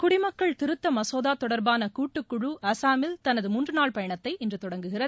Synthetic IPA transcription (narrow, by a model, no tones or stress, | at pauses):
kʊɽɪmɐkːɐɭt̪ɪɾɯt̪ːɐmɐsoːðaːt̪ɔɽɐɾbaːnɐkuːʈːɯkːʊɻuɐsaːmɪlt̪ɐnɐðɯmʊndrɯnaːɭpɐjɐɳɐt̪ːɐɪʔɪndrɯt̪ɔɽɐŋɡɯɣɪrɐ